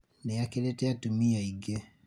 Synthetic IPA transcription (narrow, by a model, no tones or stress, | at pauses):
nɛjakelɛtɛatumiaiɡe